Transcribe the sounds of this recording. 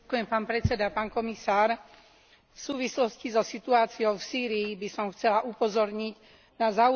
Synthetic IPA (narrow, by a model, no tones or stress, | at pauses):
kujɛmpaːnpɾɛt͡sɛd̪apaːnkɔmisaːɾ | fsuːʋislɔscizɔsit̪uaːt͡siɔʊfsiːɾijːbisɔmxt͡sɛlaʔupɔzɔɾɲiɟ | nazau